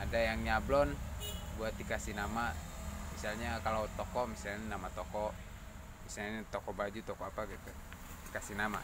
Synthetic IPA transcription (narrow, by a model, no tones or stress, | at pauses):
adajaŋɲablɔnbuat̪̚ikasinamamisalɲakalawt̪ɔkɔʔmisalɲanamat̪ɔkɔ | misaɲɲat̪ɔkɔbad͡ʒut̪ɔkɔapaɡit̪u | ikasinama̰